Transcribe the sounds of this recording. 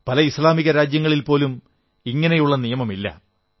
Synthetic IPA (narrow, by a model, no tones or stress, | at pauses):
pɐlɐislaːmiɣɐɾaːd͡ʑjɐŋːɐɭilpo̞ːlum | iŋːɐne̞juɭːɐnijɐmɐmilːɐ̰